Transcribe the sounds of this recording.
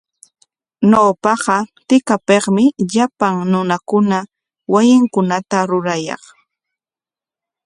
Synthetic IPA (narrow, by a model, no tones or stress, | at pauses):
nowpɑɢɑt̪ɪkapeχmɪʎapaŋnʊnakʊna | wajɪŋkʊnat̪aɾʊɾajɑ̰χ